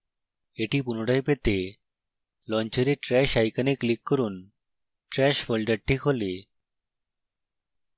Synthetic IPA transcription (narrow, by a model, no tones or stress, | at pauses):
eʈipunoɽajpet̪e | lɔnt͡ɕeɾeʈɾɛʃajkanikːlikːɔɾun | ʈɾɛʃfʰolɖeɖ̚ʈʰːikɦole